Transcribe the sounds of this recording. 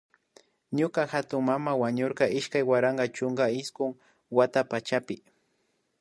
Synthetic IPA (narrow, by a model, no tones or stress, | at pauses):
ɲʊkaxat̪ʊŋmamawaɲoɾqɑɪʃkajwaɾaɴɢɑt͡ʃʊŋɡaɪskʊŋ | wat̪apat͡ʃapɪ